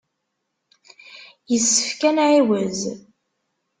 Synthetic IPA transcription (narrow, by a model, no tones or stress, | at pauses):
jəsːə̥fkænʕiwəz